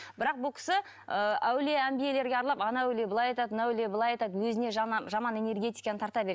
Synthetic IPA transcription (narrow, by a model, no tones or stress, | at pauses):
bɪɾɑq̚bʊlˠkʰʲɪ̥sɪ | əæwle̞æmbije̞le̞ɾɡʲeɑɾlˠɑpɑnɑæwlebəlˠɑjɑjt̪ɑt̪nɑwlebəlˠɑjɑjt̪ɑt̪wɵzɪne̞ʒʒɑmɑne̞ne̞rɡʲe̞t̪ijkɑnət̪ʰɑɾt̪ɑbe̞ɾe